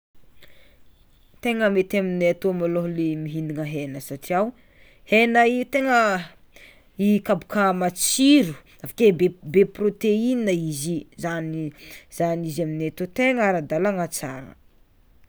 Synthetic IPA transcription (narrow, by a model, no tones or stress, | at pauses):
t̪eŋəmet̪amineat̪omaloɦlemiɦiniŋəɦenəsaʈ͡ʂiaw | henəit̪eŋə | ikabu̥kʰəmat͡siɾu̥ | afḁkebebeprot̪eininəizizanizanizaminet̪ot̪eŋaɾad̪alaŋat͡saŋə̰